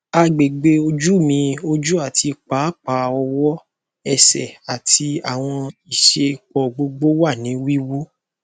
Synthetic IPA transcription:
a˧ɡ͡be˨ɡ͡be˧o˧d͡ʒu˦˨mĩ˧o˧d͡ʒu˦a˦˨ti˧k͡pa˨˦k͡pa˨˦ɔ˧wɔ˦ | ɛ˦˨sɛ˨a˨ti˧a˨w̃ɔ̃˧i˨ʃe˧k͡pɔ˨ɡ͡bo˧ɡ͡bo˦wa˦˨nĩ˨˦wi˦wu˦

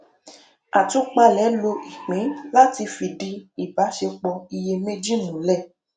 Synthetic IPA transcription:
a˨tu˨˦k͡pa˧lɛ˨˦lo˧i˨k͡pĩ˨˦la˦ti˧fi˧di˧i˨ba˨˦ʃe˧k͡pɔ˧i˧je˧me˦d͡ʒi˦˨nũ˨˦lɛ˦˨

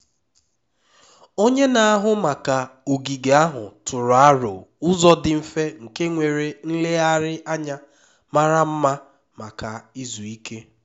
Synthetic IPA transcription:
o˦ɲe˦na˨a˦ɦʊ˦ma˨ka˨o˨ɡi˨ɡe˨a˦ɦʊ˨tʊ˨ɾʊ˨a˦ɾʊ̰˨ʊ˦zɔ˦dɪ˨m̩˦fe˦ŋ̩˨ke˦ŋʷe˨ɾe˨n̩˦le˦a˦ɾɪ˦a˦ɲa˦ | ma˦ɾa˦m̩˦ma˦ | ma˨ka˨i˦zu˨i˦ke˦

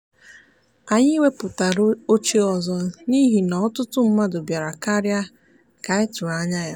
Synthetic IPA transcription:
a˨ɲɪ˦we˦pʊ˨ta˨ɾo˦t͡ʃe˦ɔ˨zɔ˨ni˦ɦi˨nɔ˨ɔ˦tʊ˦tʊ˦m̩˦ma˦dʊ˨bja˨ɾa˨ka˦ɾja˦ | ka˨ɪ˦tʊ˨ɾa˨˦ɲa˦ja˦

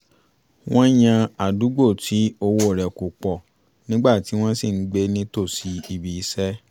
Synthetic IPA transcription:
w̃ɔ̃˦j̃ã˧a˨du˨˦ɡ͡bo˦˨tʰi˨˦o˧wo˦˨ɾɛ˨ko˨k͡pɔ˨ | nĩ˦ɡ͡ba˦˨ti˨˦w̃ɔ̃˦si˦˨n̩˦ɡ͡be˧˦nĩ˦to˦˨si˨˦i˨bi˨i˦sɛ˦

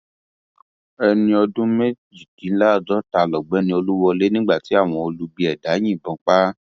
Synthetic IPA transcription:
ɛ˧nĩ˧ɔ˧dũ˦me˦d͡ʒi˨ɡĩ˨˦laː˦˨d͡ʒɔ˦ta˧lɔ˨ɡ͡bɛ˨˦nĩ˧o˧lu˦wɔ˧le˦nĩ˦ɡ͡ba˦˨ti˨˦a˦˨w̃ɔ̃˧o˧lu˦bi˧ɛ˨da˨˦j̃ĩ˦˨bɔ̃˨˧k͡pa˦

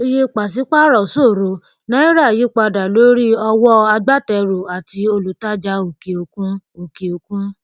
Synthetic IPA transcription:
i˦˧je˧k͡pa˨s̬i˨˦k͡pa˦ɾɔ˨so˦˨ɾo˧ | nã˦i˦ɾa˦˨ji˨˦k͡pa˧da˨lo˦ɾi˦ɔ˧wɔ˦a˧ɡ͡ba˦tɛ˧ɾo˨a˨ti˧o˧lu˨ta˦d͡ʒa˧˦o˨ke˨o˨kũ˦o˨ki˨o˧kũ˦

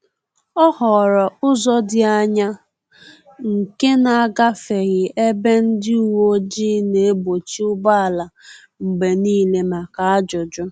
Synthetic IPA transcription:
ɔ˦hɔ˨ɾɔ˨ʊ˦zɔ˦dɪ˦a˦ɲa˦ | ŋ̩˨ke˦na˨a˨ɡa˦fe˨ɣɪ˨e˦be˦n̩˦dɪ˦u˦˨wo˦d͡ʒi˦ne˨e˦bo˨t͡ʃi˦ʊ˦ba˦a˨la˨ | ŋ͡m̩˨ɡ͡be˨niː˦˨le˨ma˨ka˨a˦d͡ʒʊ˨d͡ʒʊ˦

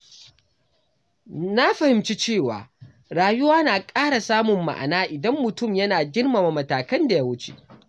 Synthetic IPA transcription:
na˦ɸɐ˨hɪ˨mt͡ʃi˦t͡ʃeː˦˨wa̰ː˨ | ɽaː˨jʊ˦waː˦naː˨kʼaː˦ɽa˨saː˦mʊ˨mːa̰˨ʔa̰˨naː˦ʔɪ˨dɐ˦mːʊ˨tʊ˦˨mjɐ˦naː˨ɡʲɪ˦rma˨ma˨mɐ˨taː˨kɐ˦nda˨ja˦wʊ˦t͡ʃe̥̰˨

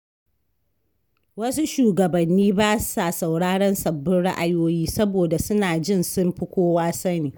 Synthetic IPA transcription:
wɐ˦su˦ʃuː˨ɡɐ˨bɐ˨nːiː˦baː˦sa˨sa˨wɽaː˦ɽɐ˦nsɐ˨bːʊ˦nɽa̰˦ʔa˨joː˦jiː˦sɐ˦boː˨da˨sʊ˦naː˨d͡ʒɪ˦nsʊ˦mɸʊ˦kʷoː˦waː˦sɐ˦niː˨

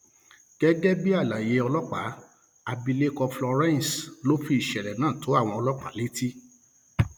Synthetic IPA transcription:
ɡ̥ɛ˦ɡɛ˦bi˦a˦˨la˨je˧ɔ˧lɔ˦k͡pa˨˦ | a˧bi˧le˦kɔ˧flɔ˧ɾɛ̃˦n˨slo˦fi˧i˨ʃɛ˨ɾɛ˨nãː˦˨to˨˦a˦˨w̃ɔ̃˧ɔ˧lɔ˦k͡pa̰˨˦le˦ti˦

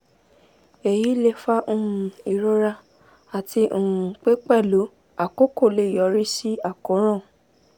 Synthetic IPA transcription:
e˨ji˨˦le˧fa˦ʔ̩˦˨ũ˨˧i˨ɾo˦ɾa˧ | a˨ti˧ũ˨ũ˨k͡pe˦k͡pɛ˦˨lo˨˦ | a˨ko˦ko˦˨le˦˨jɔ˨˦ɾi˦si˦a˦˨ko˨˦ɾ̃ã˦˨

